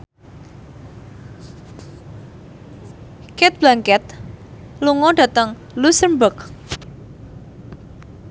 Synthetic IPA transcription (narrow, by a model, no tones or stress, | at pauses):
kɛt̪̚b̥laŋkɛt̪̚ | luŋɔɖ̥ä̤t̪əŋ | lusəmbək̚